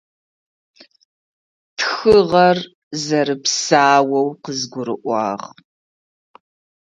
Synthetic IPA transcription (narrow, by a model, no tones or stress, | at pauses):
txɨʁɐr | zɐɾɨpsaːwɐwqəzɡʷʊɾɨ̰ʔʷɑ̰ːʁ